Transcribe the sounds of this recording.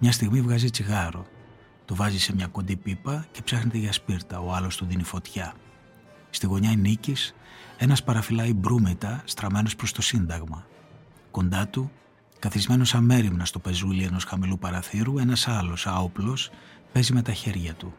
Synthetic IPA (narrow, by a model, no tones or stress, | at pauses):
mɲɐs̬t̪iɣmivɣɐzit͡siɣɐɾo̞̰ | t̪uvɐzise̞mɲɐkod̪ipipɐce̞psɐxnet̪eʝɐspiɾt̪ɐo̞ɐlo̞st̪uðinifo̞t̪çɐ | st̪iɣo̞ɲɐinicis | e̞nɐspɐɾɐfilɐibɾumet̪ɐst̪ɾɐme̞no̞spɾo̞st̪o̞sind̪ɐɣmɐ | ko̞nd̪ɐt̪u | kɐθizme̞no̞sɐme̞ɾimnɐst̪ope̞zulie̞no̞sxɐmilupɐɾɐθiɾue̞nɐsɐlo̞sɐoplo̞spe̞zime̞t̪ɐçe̞ɾʝɐt̪u